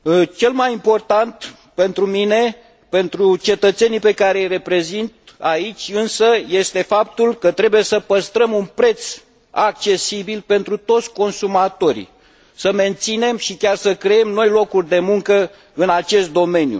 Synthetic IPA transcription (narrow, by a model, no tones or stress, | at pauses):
t͡ʃe̞lmajimpo̞rt̪ant̪ | pe̞nt̪ɾumine̞ | pe̞nt̪ɾut͡ʃe̞t̪ət̪se̞nijpe̞kaɾejre̞pɾe̞zint̪̚ait͡ʃʲɨnsəje̞st̪e̞fap̚t̪ulkət̪ɾe̞buje̞səpəst̪ɾəmunpɾe̞t̪s | ak̚t͡ʃe̞sibilpe̞nt̪ɾut̪o̞t̪sʲko̞nsumat̪o̞ɾḭ | səme̞nt̪sine̞mʃikʲarsəkɾee̞mno̞jlo̞kurʲd̪e̞muŋkə | ɨnat͡ʃe̞st̪̚d̪o̞me̞njṵ